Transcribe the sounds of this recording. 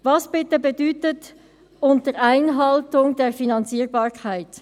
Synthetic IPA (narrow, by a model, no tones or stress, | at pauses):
vɑsb̥ɪtəbɛdyːtət | ʊntəɾaɪnɦɑltʊŋdeːɾfinɑnt͡siːʁbɑːʁkʰaɪt